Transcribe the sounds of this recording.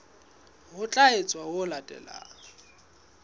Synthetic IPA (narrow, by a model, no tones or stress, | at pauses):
ɣʊt͡ɬʼaet͡sʼwawʊlatʼɛ̰la̰ːŋ